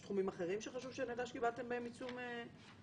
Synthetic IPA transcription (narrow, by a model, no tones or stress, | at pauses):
sχumimaχeʁimʃeχaʃuvʃeanedaʃkibalt̪embaemit͡sume